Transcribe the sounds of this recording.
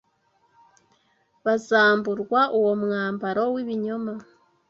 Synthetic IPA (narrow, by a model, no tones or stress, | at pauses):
βazaːmbuɾɡwaʔuwo̞mŋaːmbaɾo̞wiβiɲoma